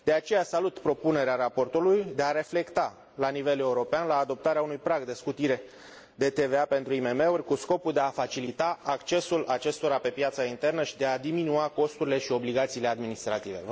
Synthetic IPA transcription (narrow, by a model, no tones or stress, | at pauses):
d̪̥e̞at͡ʃe̞jasalut̪pɾo̞pune̞ɾeaɾapo̞rt̪ulujd̪e̞aɾe̞fle̞kt̪a | lanive̞le̞uɾo̞peanlaːd̪o̞p̚t̪aɾeaunujpɾaɡd̪e̞skut̪iɾe̞ | d̪e̞t̪e̞ve̞ape̞nt̪ɾuime̞me̞urʲkusko̞puld̪e̞afat͡ʃilit̪aːkt͡ʃe̞sulat͡ʃe̞st̪o̞ɾape̞pjat̪saint̪e̞rnəʃid̪e̞ad̪iminuako̞st̪uɾile̞ʃio̞bliɡat̪siːle̞ad̪minist̪ɾat̪ive̞̰